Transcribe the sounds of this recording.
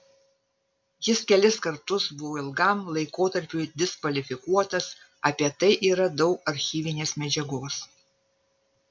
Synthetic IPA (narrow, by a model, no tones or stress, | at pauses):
jɪskʲɛlʲɪskɐɾt̪ʊsbʊʋoːɪlˠɡɐˑmlˠɐɪkoːt̪ɐɾʲpʲuɪd̪ʲɪskʋɐlʲɪfʲɪkuɔt̪ɐs | ɐpʲiɛt̪ɐɪʔiːɾɐd̪ɒʊkɐɾʲxʲiːʋʲɪnʲeːsmʲɛd͡ʒʲɛɡoːs